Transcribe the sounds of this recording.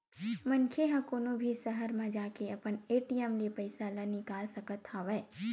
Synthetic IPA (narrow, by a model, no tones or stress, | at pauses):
mɐnkʰeɦɐ̃koːnobʱisɐɦəɾmãd͡ʒaːkeɐpəneːʈijɛmlipɐɪsalanɪkaːlsɐkət̪haʋɛː